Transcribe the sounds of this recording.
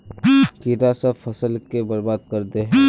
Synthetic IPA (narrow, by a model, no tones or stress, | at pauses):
kiɾasɐbfɐsəlkebɐɾbaːd̪̚kɐɾd̪eɦɛ̃ː